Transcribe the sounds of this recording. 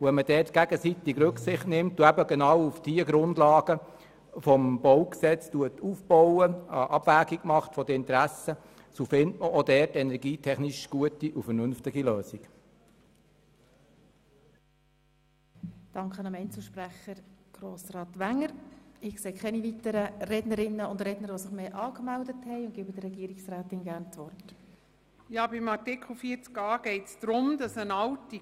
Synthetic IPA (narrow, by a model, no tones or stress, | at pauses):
uʋɛnmədɛːtɡ̥æɡəsit̪ɪkrɵksɪχtnɪmtːuæbəɡenɑːwufd̥iəɡɾʊndlɑːɡə | fɔmb̥ɔwksɛt͡stuətuːfb̥ɔwəəʔɑb̥væːɡiɡmɑχtfɔdəɪnt̪ɾæsə | sofɪntməʔɔdɛːrtɛnɛɾɡiːtʰɛχniʃɡ̥uətiʔufəɾnʏnftɪɡiløːsik | d̥ɑŋkχənɑmɛɪnt͡sl̩ʃpræχəɾɡ̥ɾoːsrɑːtʋæŋːəɾɪkseːkʰɛniʋitəɾərɛdnəɾɪnːəʊndɾɛdnəɾʋosɪχmeːʔɑːkmældəthɛɪʊntɡ̥ɪːbəd̥əɾɛɡiːɾɪksræːtɪnɡærnt͡sʋɔrt | jɑːbɪmɑɾtɪkʰl̩fiːt͡skɑːɡ̥ɛɪtsd̥̪ɾʊmd̪ɑsənɑlti